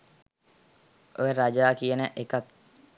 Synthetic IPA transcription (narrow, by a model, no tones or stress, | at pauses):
ʔojəɾad͡ʒaːkiənəʔekat̪